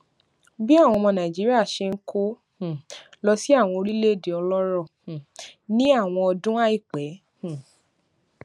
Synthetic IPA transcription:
bi˦a˦˨w̃ɔ̃˧mɔ̃˧nã˨d͡ʒi˨˦ɾi˦a˦˨ʃe˧ŋ̩˦kʰo˦ | hlɔ˧si˦a˦˨w̃ɔ̃˧o˧ɾi˦le˦˨de˨ɔ˧lɔ˦ɾɔ˦˨hnĩ˦a˦˨w̃ɔ̃˧ɔ˧dũ˦a˦i˦˨k͡pɛ˨˦ | hũ˦˨

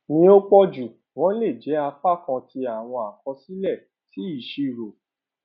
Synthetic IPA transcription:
nĩ˧o˦k͡pɔ˦d͡ʒu˨ | w̃ɔ̃˦le˦˨d͡ʒɛ˨˦a˧fa˦˨kɔ̃˧ti˧a˨w̃ɔ̃˧a˨kɔ̃˧si˦lɛ˦˨ | ti˨˦i˨ʃi˧˨ɾo˨

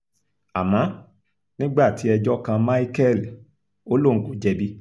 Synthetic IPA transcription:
a˨mã˨˦ | nĩ˦ɡ͡ba˦˨ti˨˦ɛ˧d͡ʒɔ˦kã˧mã˦i˦kɛ˦˨l | o˦lo˦˨ŋ̩˨ku˨d͡ʒɛ˧bi˦

